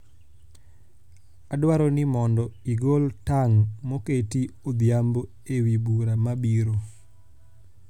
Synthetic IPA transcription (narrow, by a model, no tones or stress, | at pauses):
adwaɾɔnɪmɔndɔiɡoltaŋmoketiod̪jambo | ewibuɾamabiɾo